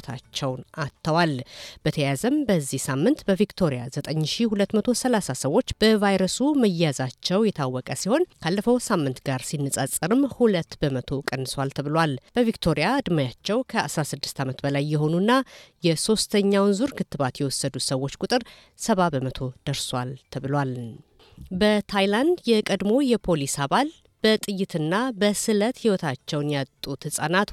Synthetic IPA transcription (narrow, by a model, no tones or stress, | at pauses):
t̪ʰa̰t͡ʃːɛwnat̪ʰːəwalb̥ət̪ʰəjazəmbəzːihsamːɨnt̪bəvikt̪ʰo̞ɾijazət̪ʼəɲːʃihulət̪ːmət̪ʰo̞səlasasəwːo̞t͡ʃːb̥əvajɾəsuməjazat͡ʃːɛwjɛt̪ʰawːɔkʼəsiho̞nkʰalːəfəwsamːɨnt̪ɡaɾsinːɨsʼasʼɨɾɨmhulət̪ːbəmət̪ʰo̞kʼənːɨswalt̪ʰəβɨlwalb̥əvikt̪ʰo̞ɾijaɨd̪majat͡ʃːɛwkʰəʔasɾasɨd̪ːɨ̥st̪ʰamət̪bəlajːɛɦo̞nunːajɛso̞st̪ʰəɲːawnzuɾkʰɨt̪ːɨβat̪jɛwɔsːəd̪usəwːo̞t͡ʃːkʼut̪ʼɨɾ | səβabəmət̪ʰo̞d̪̥əɾswalt̪ʰəβɨlwal | bət̪ʰajland̪jɛkʼəd̪mo̞jɛpʰo̞lisaβal | b̥ət̪ʼɨjːɪt̪ʰɨnːabəsɨlət̪hiwɔt̪ʰat͡ʃːɛwnjat̪ʼut̪ʰɨsʼanat̪